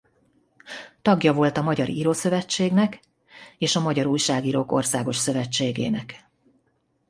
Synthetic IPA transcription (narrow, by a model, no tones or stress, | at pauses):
t̪ɒɡjɒvo̞lt̪ɒmɒɟɒɾiɾoːsø̞vɛt͡ʃːeːɡnɛk | eːʃɒmɒɟɒɾuːjʃaːɡiːɾoːko̞̰rsaːɡo̞ʃsø̞vɛt͡ʃːeːɡḛːnɛk